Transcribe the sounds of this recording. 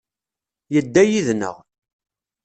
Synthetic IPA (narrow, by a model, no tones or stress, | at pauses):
jəd̪ːæjiðnə̰ʁ